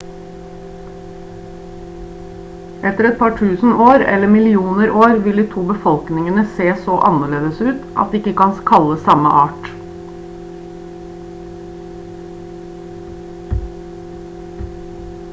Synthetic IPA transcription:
ʔɛt̪əɾɛt̪̚pʰɑːʈʰʉːsn̩ʔoːɾɛ̰ləmɪlɪuːnəɾʔoːɾʋɪld̪iːt̪ʰuːbəfɔlknɪŋənəseːsoːʔɑnəɭeːd̪əsʉːt̪ʔɑ̰t̪̚d̪ːɪkəkɑnskʰɑləsɑmə̰ʔɑːʈ

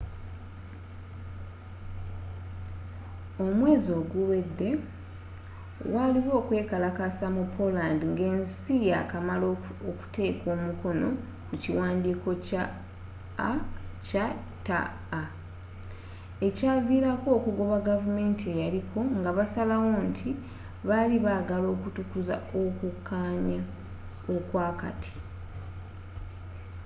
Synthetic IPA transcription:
o̞mwe̞ːzio̞ːɡulwe̞dːe̞ | waliβo̞ːkwe̞ːkalakasamupʰo̞landiŋɡe̞ːnsijakamaloku̥te̞ːko̞ːmuko̞no̞ | kuciwaːndiːko̞ca | ca | ta̰ː | e̞caːviɾako̞ːkuɡo̞βaɡavume̞ːntie̞jalikʰo̞ŋɡaβasalawo̞ntʰi | βaliβaɡalo̞ːkutukuza̰okukʰːaːɲa | okwaːka̰tʰi̥

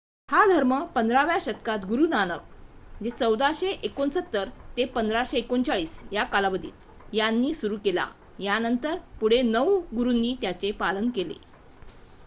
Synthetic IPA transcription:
had̪ʱəɾməpənd̪ɾaʋjaɕət̪kat̪ɡuɾuːnanək̚d͡ʑet͡səwd̪aɕeʔekonsət̪ːəɾt̪epənd̪ɾaɕeːkont͡saɭiːsjakalabəd̪ʱḭːt̪ | janːiːsuɾuːkela̰ | janənt̪əɾpuɽ̤enəwɡuɾunːiːt̪jat͡sepalənkelḛ

